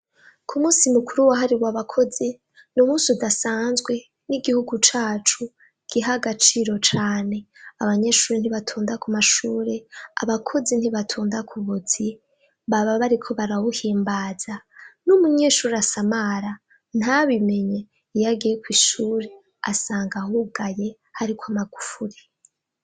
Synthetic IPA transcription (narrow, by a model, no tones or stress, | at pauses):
kʰumuːsimukuɾuwaɦaɾiβwaβakʰo̞zi | numuːsudasaːnzɡwe̞ | niɡihuɡut͡ʃaːt͡ʃu | ɡ̥iɦaɡat͡ʃiːɾo̞t͡ʃaːne̞aβaɲe̞ʃuːɾen̥iβatʰuːndakumaʃuːɾea̰βakʰo̞zin̥hiβatʰuːndakʰuβuz̥i | βaβaβaɾikʰo̞βaɾawuhiːmbaːz̥anumuɲeːʃuːɾeasamaɾa | n̥haβime̞ɲe | ijaɡijekwiːʃuːɾe | a̰saːŋɡahuɡaje̞ | haɾikwamaɡufuɾe